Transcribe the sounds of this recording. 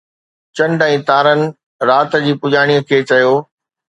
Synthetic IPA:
t͡ɕɐ̃ɳɖɛ̃ːt̪aːɾənɪ̆ | ɾaːt̪d͡ʑiːpʊʄaːɽ̃iːəkʰeːt͡ɕɐjoː

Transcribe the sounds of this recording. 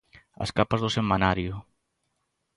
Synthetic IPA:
ɐ̰skapazðʊsemanaɾjʊ

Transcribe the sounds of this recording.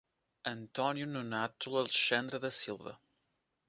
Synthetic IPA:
ɐ̃nt̪ɔnjununat̪ulˠɐlˠʃɐ̃nd̪ɾɐðɐsilˠvɐ̰

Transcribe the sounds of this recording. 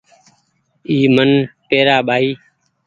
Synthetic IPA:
iːmənpeːɾaːɓʱaːiː

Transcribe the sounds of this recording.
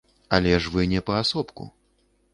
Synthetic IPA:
alʲɛʂvɨnʲɛpɐasɔpkṵ

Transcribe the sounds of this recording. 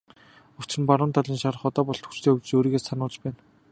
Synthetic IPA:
ʊw̥t͡ɕɘ̆mpaɾʊːnt̪ʰaɮiːnʃaɾ̆χɔt̪ɔːpɔɮt̪ʰu̥xt͡ɕt̪ʰeːɵwt͡ɕ̆t͡ɕoːɾiːɣeːsanʊːɮt͡ɕpæːn

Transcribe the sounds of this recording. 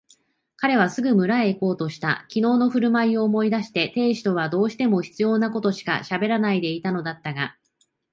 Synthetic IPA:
kaɾe̞β̞asɨɡɯ̟mɯ̟ɾaeːko̞ːt̪o̞ɕi̥t̪a̰kʲino̞ːno̞ɸɯ̟ɾɯ̟maio̞ːmo̞id̪aɕi̥t̪e̞t̪e̞ːɕi̥t̪o̞βad̪o̞ːɕi̥t̪e̞mo̞çi̥t͡sɨjo̞ːnako̞t̪o̞ɕi̥ka̰ɕabe̞ɾanaid̪e̞it̪ano̞d̪at̪ːaɡa

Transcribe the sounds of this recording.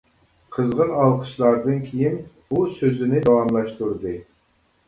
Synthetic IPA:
qʰəzʁənɑlˠqʰə̥ʃlˠɑɾd̪ɨnkʲʰijin | usøzɪnɪd̪ɑwɑmlˠɑʃt̪uɾɨd̪ɨ

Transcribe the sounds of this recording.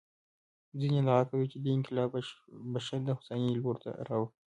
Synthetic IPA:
zined̪aɣakawit͡ʃed̪əɪŋkɪlɑbaʃaɾd̪əxʊ̥saniloɾt̪a̰ɾɑwə

